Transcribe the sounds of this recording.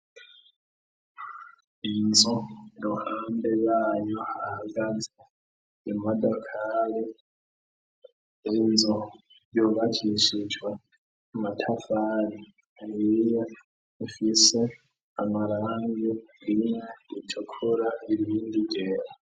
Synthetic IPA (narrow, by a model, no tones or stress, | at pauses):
inzoɾohaːmbeβaːjohahaɡaze | emadakʰaɾe | enzo | joβacʰiʃid͡ʒwa | matʰafaɾi | aɾija | ifise | amaɾaːŋɡiɾimeitʰokʰuɾaiβiːndiɟeːɾa